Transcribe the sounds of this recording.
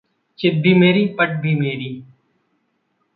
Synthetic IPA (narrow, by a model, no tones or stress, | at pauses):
t͡ʃɪd̪ʱiːmeːɾiːpəʈ̚bʱiːmeːɾiː